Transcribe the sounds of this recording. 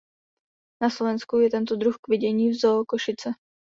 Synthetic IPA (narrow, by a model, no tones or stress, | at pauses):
naslovɛnskujɛt̪ɛnt̪od̪ɾuxkvɪɟɛɲiːvzokoʃɪt͡sɛ